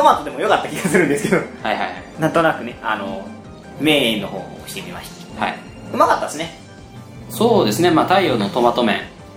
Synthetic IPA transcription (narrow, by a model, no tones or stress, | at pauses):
t̪o̞mat̪ːo̞d̪e̞mo̞jo̞kat̪ːakʲiɡasɨɾɯ̟̃nd̪e̞sɨ̥ked̪ohaiha̰jhainãnt̪o̞nakɯ̟ne̞ano | me̞ːĩnːo̞ho̞̰ː | ɕi̥t̪eɾʲima̰ɕi̥t̪e̥ha̰i | ɯ̟makat̪ːad̪esɨne | so̞ːd̪e̞sɨne̞maːt̪aijonot̪o̞mat̪o̞mẽ̞̰ŋ